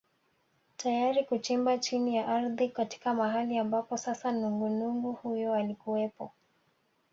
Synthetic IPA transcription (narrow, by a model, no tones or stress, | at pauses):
tajaɾikut͡ʃimbat͡ʃinijaʔaɾðikati̥kamaɦaliambapɔsasanuŋɡunuŋɡuhujɔalikuɛpɔ